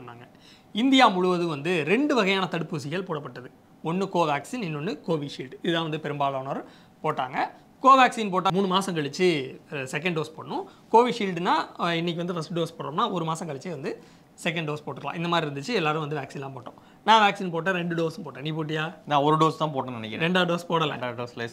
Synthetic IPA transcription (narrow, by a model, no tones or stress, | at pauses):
pɐnːa̰ːŋɡɐ | ɪnd̪ɪjaːmʊɻʊʋɐðɯʋɐnd̪ɯɾɛɳɖɯʋɐɣɐjaːnɐt̪ɐɽɯpːɯsɪɣɐɭpoːɽɐpːɐʈːɐðɯ | ɔnːɯkoːʋaːksinɛnːɔnːɯkoːʋiʂiːlɖɪðɯðãːʋɐnd̪ɯpɛɾɯmbaːloːnɐɾɯ | poːʈːaːŋɡɐ | koːʋaːksiːnp̬oːʈːaːmuːɳɯmaːsɐ̃ŋkɐɭɪt͡ʃːɯsɛk̬ːɛɳɖɖoːspoːɽɐnʊ̃ | koːʋiʂiːlɖnaːɪnːɪk̬ʲːʋɐnd̪ɯfɐsʈɖoːspoːɽɾõmnaːɔɾɯmaːsɐ̃ŋkɐɭɪt͡ʃːeʋɐnd̪ɯ | sɛk̬ːɐɳɖɖoːspoːʈːɯɾɐlã̰ːʔɪnd̪ɐmaːd̪ɾiɪɾɯnd̪ɯt͡ʃːɯɛlːaːɾɯ̃ʋɐnd̪ɯʋaːksinlãːpoːʈːõ̰ː | nãːʋaːksiːnpoːʈ̬ːɐ̃ɾɛɳɖɯɖoːsɯmpoːʈːẽːniːpoːʈ̬ːɪjaːnãːɔɾɯɖoːst̪ãːpoːʈːɐ̃nɐnɛkʲːɪɾɾɛɳɖaːɖoːspoːɽɐlɛ̰̃ɖaːɖoːslɐs